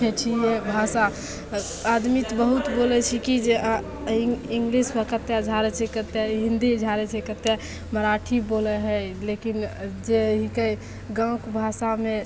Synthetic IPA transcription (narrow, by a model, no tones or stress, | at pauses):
et͡ʃʰijebʱasa | ad̪mit̪bəɦut̪bolɛt͡ʃʰikid͡ʒe | iŋɡlisbəkət̪jad͡ʒʱaɾɛt͡ʃʰɛkət̪eɦĩnd̪id͡ʒʱaɾɛt͡ʃʰɛkət̪ːe | məɾaʈʰibolɛɦəjlekind͡ʒeɦikəj | ɡə̃kbʱasame